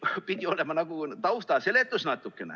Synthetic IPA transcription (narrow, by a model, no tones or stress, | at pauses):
pid̪ʲio̞le̞mɑnɑɡ̥ut̪ɑwst̪ɑse̞le̞t̪ːˑusnɑt̪ːˑukːˑe̞nḛ